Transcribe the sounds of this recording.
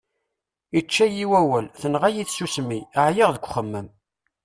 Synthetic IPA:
it͡ʃːæjiwæwælθənʁæjiθsusmiəʕjiʁðəkʷːχəmːəm

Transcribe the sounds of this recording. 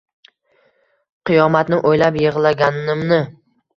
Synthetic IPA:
qʰɨjɒmat̪nɪʔojlapjeʁlˠaɡʲannɪmnɪ

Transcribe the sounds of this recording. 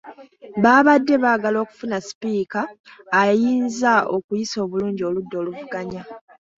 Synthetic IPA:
βaːβadːe̞βaːɡalo̞ːku̥funasi̥piːkaː | jiːnzao̞kujiso̞ːβuluːɲɟio̞ludːo̞ːluvuɡaɲa

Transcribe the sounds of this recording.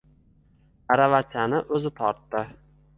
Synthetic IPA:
aɾavat͡ʃ̪anɪʔɵzɪt̪ʰɒɾt̪ːɪ

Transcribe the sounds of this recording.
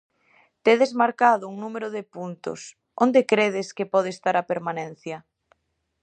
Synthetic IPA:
t̪eðezmaɾkaðʊuŋnumeɾʊðepunt̪ʊ̰s | ond̪ekɾeðɪskepɔð̞eːst̪aɾapeɾmanɛ̃n̟θjɐ

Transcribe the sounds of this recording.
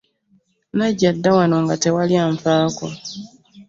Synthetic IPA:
naɟadːawano̞ŋɡate̞waljaɱfaːko

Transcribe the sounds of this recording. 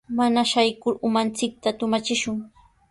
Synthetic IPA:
manaʃajkʊɾʊmant͡sɪk̚t̪at̪ʊmat͡ʃɪʃʊŋ

